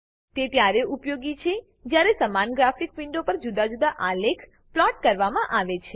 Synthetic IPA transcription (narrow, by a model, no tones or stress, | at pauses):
t̪et̪jaɾeʔupjoɡit͡ʃʰe | d͡ʒjaɾesəmanɡɾafikʋɪɳɖopəɾd͡ʒud̪ad͡ʒud̪aʔalekʰ | plɔʈ̚kəɾʋamãʔaʋet͡ʃʰe